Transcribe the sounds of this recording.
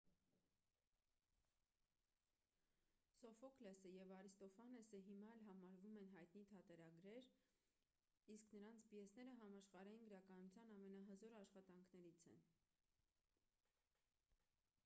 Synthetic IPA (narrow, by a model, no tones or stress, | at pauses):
sɔfɔklɛsəjɛvɑɾist̪ɔfɑnɛsəɦimɑɛlɦɑmɑɾvumɛnɦɑjt̪nit̪ʰɑt̪ɛɾɑɡɾɛɾ | isknəɾɑnt͡sʰbiɛsnɛɾəɦɑmɑʃχɑɾɑjinɡəɾɑkɑnut͡sʰjɑnɑmɛnɑɦəzɔɾɑʃχɑt̪ɑŋkʰnɛɾit͡sʰɛ̰n